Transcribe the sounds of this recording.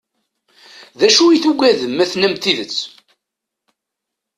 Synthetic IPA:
ðæʃujiθuɡʷæðəmːæθnæmt̪iðət͡sː

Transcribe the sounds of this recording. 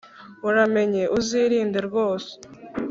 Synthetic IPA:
uɾame̞ɲe̞ʔuziɾiːndeɾɡo̞ːse̥

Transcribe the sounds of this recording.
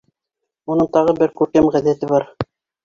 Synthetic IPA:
unɤɴt̪ɑʁɤbɘɾkʉɾkæmʁæðæt̪ɘβɑɾ

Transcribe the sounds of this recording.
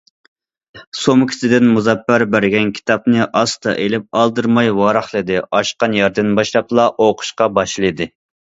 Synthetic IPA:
somkʲʰi̥sɪd̪ɪnmuzɑpːæɾbæɾɡʲɛnkʲʰi̥t̪ʰɑpnɨʔɑst̪ɑ̰ʔelɪp̚ɑlˠd̪ɨɾmɑjwɑːɾɑχlˠɨd̪ɨɑʃqɑnjɑɾd̪ɨnbɑʃlˠɑplˠɑʔoqʰʊ̥ʃqɑbɑʃlˠɨd̪ɨ

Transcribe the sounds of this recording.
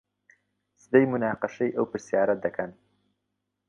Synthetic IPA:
sɨd̪ɐjmunaːqɨʃɐjʔɐwpɨɾsijaːɾɐd̪ɐkʰɐn

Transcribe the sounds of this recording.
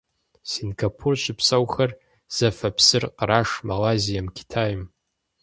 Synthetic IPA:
sinɡapʰurʃʷʰɨpʰsawχɐr | z̥afɐpʰsɨrqraʂmalazijamkʲʰi̥tʰajm

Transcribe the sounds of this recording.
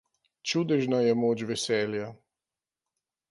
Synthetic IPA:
t͡ʃud̪ɛʒnajɛmoːt͡ʃʋɛsɛːlja

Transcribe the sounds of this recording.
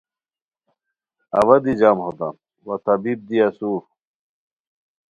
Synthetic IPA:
ɐwɐd̪id͡ʑamhod̪a̰m | wɐt̪ɐbib̚d̪iasu

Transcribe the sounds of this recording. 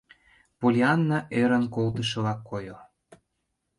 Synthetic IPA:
polʲiɑnːɑʔeɾə̆nkolt̪ə̆ʃɤ̆lɑkːojo

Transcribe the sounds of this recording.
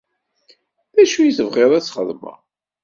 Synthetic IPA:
ðæʃujiθəvʁeɾˤæt͡sːχə̰ðˤmə̰

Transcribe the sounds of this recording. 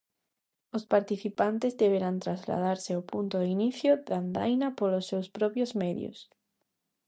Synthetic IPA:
ospaɾt̪iθipant̪ezðeβeɾant̪ɾazla̰ð̞aɾseawpunt̪oðiniθjoðand̪a̰jnapolosːewspɾɔpjozmɛðjo̰s

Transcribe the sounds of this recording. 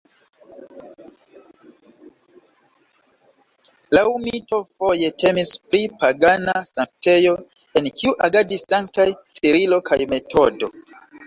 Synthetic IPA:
laumito̞fo̞je̞tʰe̞mispɾipaɡanasaŋk̚te̞jo̞ | e̞nkʰiuʔaɡadisːaŋk̚tajsiɾilo̞kʰajme̞tʰo̞do̞̰

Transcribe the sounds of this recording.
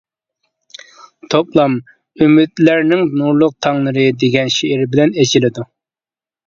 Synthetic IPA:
t̪ʰoplˠɑm | ymyd̪læɾnɪŋnuɾlˠʊq̚t̪ʰɑŋlˠɨɾɨd̪eɡʲɛnʃeɪɾbɪlɛnet͡ʃʰilɪd̪u

